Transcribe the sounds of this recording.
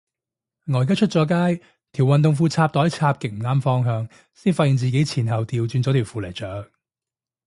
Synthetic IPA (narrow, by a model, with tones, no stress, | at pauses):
ŋɔː˨˧jkaː˥t͡ʃʰɵ˥t̚t͡sɔː˨˧˥kaː˥j | t̪ʰi˨˩wɐ˨nt̪ʊ˨ŋfuː˧t͡sʰaː˧p̚t̪ɔː˨˥jt͡sʰaː˧p̚kɪ˨k̚m̩˨˩ŋaː˥mfɔː˥ŋɦœː˧ŋ | siː˥nfaː˧t̚i˨˧ŋt͡siː˨ke˨˥jt͡sʰiː˨˩nɦɐ˨wt̪iː˧wt͡syː˧nt͡sɔː˨˧t̪ʰiː˨˩wfuː˧lɐ˨˩jt͡sœː˨˥k̚